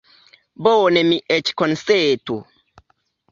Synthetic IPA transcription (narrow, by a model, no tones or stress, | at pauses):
boːnɛmiʔɛt͡ʃkɔnseːtu